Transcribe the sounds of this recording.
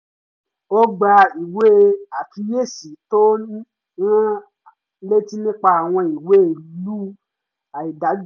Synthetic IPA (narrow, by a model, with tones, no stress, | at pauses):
o˦ɡ͡ba˧i˨we˦a˨ti˧˦je˦˨si˨˦to˦ | ɾ̃ã˦ | le˦ti˦nĩ˦k͡pa˧a˨w̃ɔ̃˧i˨we˦˨lu˦ | a˨i˨da˨˦